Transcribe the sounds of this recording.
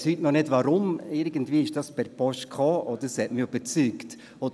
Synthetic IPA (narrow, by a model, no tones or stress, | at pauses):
shytnɔnɪdʋaɾʊmɪɾɡəntviːɪʃd̥ɑspɛɾpɔʃtkʰɑːʔɔd̥̪əɾsɛtmɪyb̥əɾt͡syːkt | ɔd